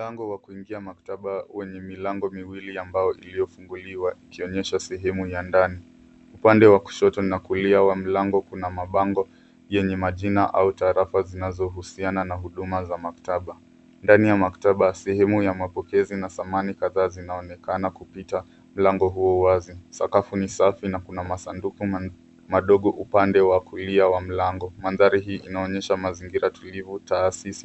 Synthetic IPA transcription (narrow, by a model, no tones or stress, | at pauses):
m̩laŋɡɔwakuiŋɡiamaktaɓawɛɲɛmilaŋɡɔmiwiliambajɔʔilijɔfuŋɡuliwaikiɔɲɛʃasɛɦɛmujandani | upandɛwaku̥ʃɔtɔnakuliawam̩laŋɡɔkunamaɓaŋɡɔ | jɛɲɛmaʄinaʔautaːɾafazinazɔɦusiananaɦuɗumazamaktaɓa | ndanijamaktaɓasɛhɛmujamapɔkɛzinaθamanikaðaːzinaɔnɛkanakupita | m̩laŋɡɔɦuɔuwazisa̰kafunisafinakunamasanduku | maɗɔɠɔʔupandɛwakuliawam̩laŋɡɔmanðaɾiɦiːʔinaɔɲɛʃamaziŋɡiɾatulivutaːsisi̥